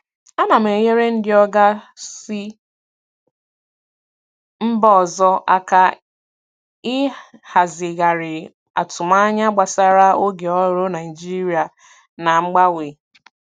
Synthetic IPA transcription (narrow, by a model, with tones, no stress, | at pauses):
a˦na˨m̩˨e˨je˦ɾe˦n̩˦dɪ˦ɔ˦ɡa˦sɪ˦ | m̩˦bɔ˦˨zɔ˦ʔa˦ka˨ | ɪ˦ha˨zɪ˨ɡa˨ɾɪ˨ | a̰˨tʊ˨ma˦ɲa˦ɡ͡ba˨sa˦ɾa˦o˦ɡe˨ɔ˦ɾo˦na˨ɪ˨d͡ʒi˦ɾi˦a˨ | na˨ŋ͡m̩˦ɡ͡ba˦we˨